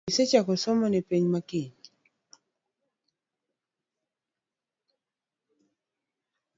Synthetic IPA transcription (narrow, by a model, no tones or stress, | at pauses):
set͡ʃakɔsɔmɔnɪpeɲmakiɲ